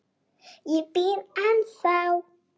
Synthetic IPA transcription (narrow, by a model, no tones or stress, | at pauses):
jipinansaw